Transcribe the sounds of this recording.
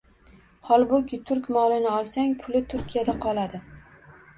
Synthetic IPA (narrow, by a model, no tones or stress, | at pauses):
hɒlˠbʊkʲɪt̪ʰʊɾkʲmɒlɪnɪɒlˠsaŋpʰʊlɪt̪ʰʊɾkʲijad̪aqʰɒlˠad̪ɪ